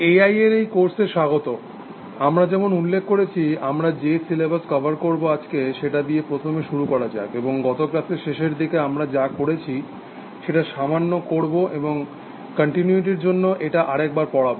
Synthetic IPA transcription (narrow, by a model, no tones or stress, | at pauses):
eajeɾejkoɾseʃaɡot̪o | amɾad͡ʑɛmonulːekʰːoɾet͡ɕʰiamɾad͡ʑesilebaskɔbʱaɾkoɾboad͡ʑkeʃeʈad̪iepɾot̪ʰomeʃuɾukɔɾad͡ʑa̰ebeboŋɡɔt̪okɾat̪ʰeʃeʃeɾd̪ikeamɾad͡ʑakoɽet͡ɕʰi | ʃeʈaʃamanːokoɾboʔeboŋ | kəɳʈinuiʈ̬iɾd͡ʑonːoʔeʈaʔaɾɛk̚baɾpɔɽabo